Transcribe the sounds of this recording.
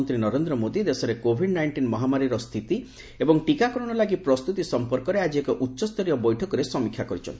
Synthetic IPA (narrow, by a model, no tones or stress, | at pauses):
nt̪ɾinɔɾend̪ɾɔmod̪id̪esɔɾekobʱiɖnajɳʈinmɔɦamaɾiɾɔst̪ʰit̪i | ebɔŋʈikakɔɾɔɽ̃ɔlaɡipɾɔst̪ut̪isɔmpɔɾkɔɾead͡ʒiekɔʔutːʃɔst̪ʰɔɾijɔbɔjʈʰɔkɔɾesɔmikʰjakɔɾit͡ʃʰɔ̰nt̪i